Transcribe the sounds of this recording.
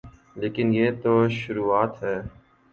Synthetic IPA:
leːkɪnjeːt̪oːʃʊɾuːaːt̪ɦɛː

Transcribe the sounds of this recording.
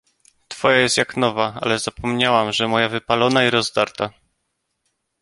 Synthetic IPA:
t̪fɔjajɛst̪jaknɔvaa̰lɛzapɔmɲawamʐɛmɔjavɘpalɔnaiɾɔzd̪aɾt̪a

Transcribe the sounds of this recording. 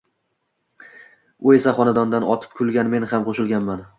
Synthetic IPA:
ʊe̞saχɒnad̪ɒnd̪anɒt̪ʰɪ̥p̚kʰʲʊlˠɡʲanme̞nhamqʰoʃɪlˠɡʲanman

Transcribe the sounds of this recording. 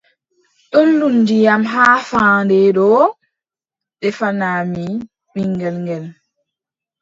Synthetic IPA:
ɗolːundijamɦaːfaːndɛɗɔ | ɗɛfanaːmi | ɓiŋɡɛlŋɡɛl

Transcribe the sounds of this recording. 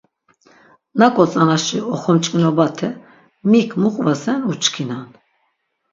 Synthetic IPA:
nakʼɔt͡sʼanaʃiɔχɔmt͡ʃʼkʼnɔbat̪ʰɛ | mikʰmuχʼvasɛnut͡ʃʰʼkʰinan

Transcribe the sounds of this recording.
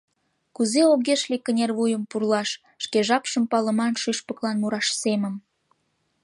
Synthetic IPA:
kuzeoɣeʃlikːənʲerβujəmpurlɑʃ | ʃkeʒɑpʃəmpɑlə̆mɑnʃyʃpəklɑnmuɾɑʃsemə̆m

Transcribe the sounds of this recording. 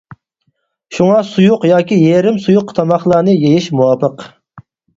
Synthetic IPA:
ʃuŋɑsujʊqjɑːkʲijeɾɪmsujuqt̪ʰɑmɑχlˠɑːnɨjejiʃmuwɑːpəq

